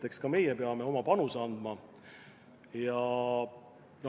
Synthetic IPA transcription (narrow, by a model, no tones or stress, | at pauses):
t̪e̞kskɑme̞jɛpeɑme̞o̞mɑpɑnuseɑnd̪̥mɑ | jɑ | no